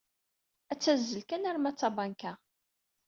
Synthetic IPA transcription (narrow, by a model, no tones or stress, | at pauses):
æt͡sːæzːəlkænæɾmæt͡sːɑbɑnkæ